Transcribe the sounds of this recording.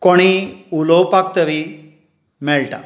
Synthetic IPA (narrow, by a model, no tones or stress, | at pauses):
koɽ̃iulowpakt̪əʋi | mɛɭʈa̰